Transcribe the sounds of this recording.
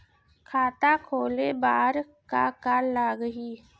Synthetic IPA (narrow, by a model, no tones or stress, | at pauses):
kʰaːt̪akʰoːlebaːɾ | ka̰kaːlaɡɦiː